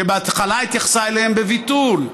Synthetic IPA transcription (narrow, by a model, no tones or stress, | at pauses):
ebeat̪χalait̪jaχsaeleembevit̪ul